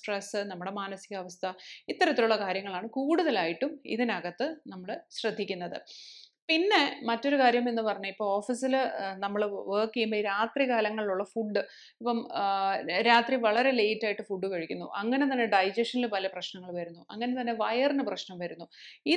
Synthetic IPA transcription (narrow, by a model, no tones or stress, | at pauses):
sʈresɨnɐmːuɽe̞maːnɐsiɣɐʋɐst̪ʰɐit̪ːɐɾɐt̪ːiluɭːɐkaːɾjɐŋːɐɭaːɳɨkuːɽuðɐlaːjiʈːumḭðinɐɣɐt̪ːɨnɐmːɐɭɕrɐd̪ʱːikʲːunːɐðɨ̰pinːe̞mɐtːo̞ɾukaːɾjɐme̞nːɨpɐrɐɲːuipːo̞ːɭo̞ːfisilnɐmːɐɭʋəːkːijumbɐiɾaːt̪rikaːlɐŋːɐɭiluɭːɐfuɖːɨ | ipːɐm | ɾaːt̪riʋɐɭɐɾe̞le̞jtːaːjiʈːɨfuɖːɨkɐɻikʲːunːṵʔɐŋːɐne̞t̪ɐnːe̞ɖɐjd͡ʑɐʂɐnilpɐlɐprɐɕnɐŋːɐɭʋɐɾunːuɐŋːɐne̞t̪ɐnːe̞ʋɐjɐrnɨprɐɕnɐmʋɐɾunːui